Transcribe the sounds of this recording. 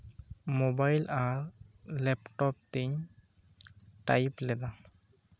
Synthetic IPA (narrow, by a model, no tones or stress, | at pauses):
mobajlʔaɾlɛpʈɔp̚t̪eɲ | ʈa̰jplɛd̪a